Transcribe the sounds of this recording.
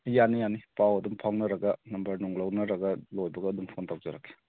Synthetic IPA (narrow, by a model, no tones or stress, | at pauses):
janːijanipawɐdumpʰawnɐɾɐɡɐnɐmbɐɾnuŋlɐwnɐɾɐɡɐlojbɐɡɐːduŋpʰontawd͡ʒɐɾakːe̥